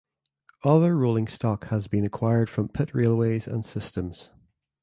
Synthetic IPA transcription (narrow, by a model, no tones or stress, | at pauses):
ʌðə˞ɹolˠɪ̃ŋstɔkhəzbĩnəkʰw̥aɪə˞d̥fɹə̃mpʰɪʔɹelˠwezə̰̃nsɪstə̃mz̥